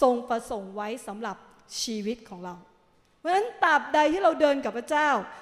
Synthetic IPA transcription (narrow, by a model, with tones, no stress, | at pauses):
so˧ŋpɾa˧so˩˦ŋwa˦˥jsa˩˦mɾa˨˩p̚ | t͡ɕʰiː˧wi˦˥t̪̚kʰɔː˩˦ŋɾa˧w | wa˧nːa˦˥nt̪a˨˩p̚da˧jt̪ʰiː˥˩ɾa˧wdɤː˧nka˨˩pʰɾa˦˥t͡ɕaː˥˩w